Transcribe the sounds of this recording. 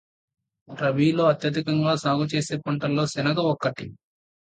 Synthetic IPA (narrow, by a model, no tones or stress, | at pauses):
ɾɐbiːlo̞ːɐt̪jɐd̪ikɐŋɡaːsaːɡut͡ʃe̞ːse̞ːpɐɳʈɐlːo̞ːsɛnɐɡɐɔkːɐʈi